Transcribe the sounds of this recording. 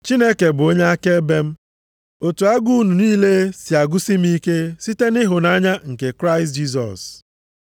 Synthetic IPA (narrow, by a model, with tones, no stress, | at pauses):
t͡ʃi˦ne˦ke˨bʊ˨o˦ɲe˦a˦ke˦be˦m̩˦ | o˨tu˨a˦ɡu˦u˦nu˨niː˦le˦si˨a˨ɡu˦si˦m̩˦i˦ke˦si˦te˦ni˦ɦʊ˨na˦ɲa˦ŋ̩˨ke˨kɾa˦ɪ˨s̬td͡ʒi˦s̬ɔ̰˨s